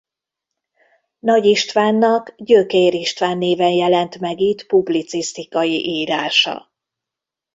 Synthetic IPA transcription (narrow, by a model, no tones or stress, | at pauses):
nɒɟiʃt̪vaːnːɒkɟøkeːɾiʃt̪vaːnːeːvɛnjɛlɛnt̪mɛɡit̪publit̪sist̪ikɒjiʔiːɾaːʃɒ̰